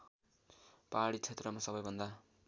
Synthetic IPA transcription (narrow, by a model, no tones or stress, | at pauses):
paɽit͡sʰet̪rʌmasʌbʌjbʱʌnd̪a